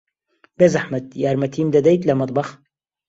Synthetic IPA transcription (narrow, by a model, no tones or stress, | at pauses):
b̥ezaħmɐt̪jaːɾmɐt̪ʰiːmd̪ad̪ɐjt̪lamɨt̪ˤbɑx